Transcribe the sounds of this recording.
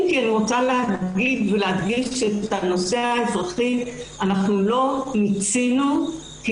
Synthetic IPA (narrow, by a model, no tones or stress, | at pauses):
mkianiʁot͡saleaɡidvelead̪ɡiʃetano̞seaezʁaχianaχnulo̞nit͡sinu | k